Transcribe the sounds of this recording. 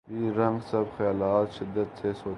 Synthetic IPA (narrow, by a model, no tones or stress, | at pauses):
biːɾɐ̃ŋɡsɐbxɐjaːlaːt̪ʃɪd̪ːət̪sʰeːsoː